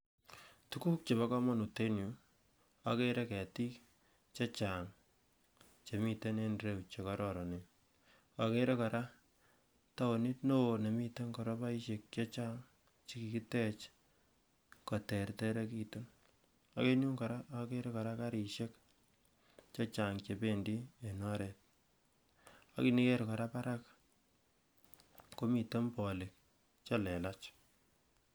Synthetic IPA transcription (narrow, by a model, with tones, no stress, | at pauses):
tu˦ku˦k̚t͡ʃe˨ba˦kɔ˦mɔ˦nu˨te˦nju˨ | a˨ke˦ɾe˦kɛ˨ti˦k | t͡ʃa˦t͡ʃa˨ŋ | t͡ʃe˨mi˨te˦ne˦nɾe˦wt͡ʃe˨kɔ˦ɾɔ˨ɾɔ˨ne˨ | a˨ke˦ɾe˦ka˨ɾa˦ | ta˦wo˨ni˦tno˦˨ne˨mi˦te˦ŋkɔ˨ɾɔ˦pa˦i˦ʃe˨kt͡ʃa˦t͡ʃa˦ŋ | t͡ʃi˦ki˨ki˦tɛ˦t͡ʃ | kɔ˨tɛ˨rtɛ˦ɾe˦ki˨to˦n | a˨ke˦ɲu˦ŋka˨ɾa˦a˨ke˦ɾe˦ka˨ɾa˦ka˦ɾi˨ʃe˦k | t͡ʃɔ˦t͡ʃa˨ŋt͡ʃe˨pe˦ndi˦e˨nɔ˦ɾɛ˨t̚ | a̰˦ki˨ni˦ke˦ɾkɔ˨ɾa˦pa˦ɾa˦k | ko˦mi˨to˦mpɔ˨lɪ˨k̚ | t͡ʃa˦lɛ˨la˦t͡ʃ